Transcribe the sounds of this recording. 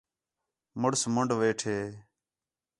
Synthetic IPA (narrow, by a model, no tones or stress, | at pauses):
mʊɽsməɳɖʋeːʈʰeː